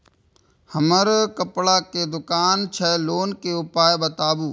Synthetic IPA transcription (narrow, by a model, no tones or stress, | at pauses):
həməɾkəpɽaked̪ʊkaːnt͡ʃʰɛːloːnkeʊpaːjbət̪aːbuː